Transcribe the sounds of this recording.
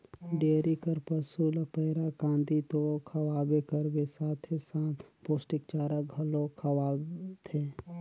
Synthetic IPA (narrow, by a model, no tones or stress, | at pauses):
ɖeːɾikəɾpəsuːləpɛːɾakãːnd̪it̪okʰɐwaːbekəɾbesaːt̪ʰesãːt̪ʰpoːsʈɪkt͡ʃaːɾaɡʱəlõkʰəwaːbt̪ʰeː